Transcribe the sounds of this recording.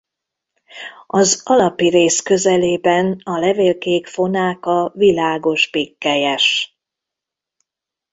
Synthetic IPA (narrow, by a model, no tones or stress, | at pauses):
ɒzɒlɒpiɾeːskø̞zɛleːbɛnɒlɛveːlkeːkfo̞naːkɒvilaːɡo̞ʒbikːɛjɛʃ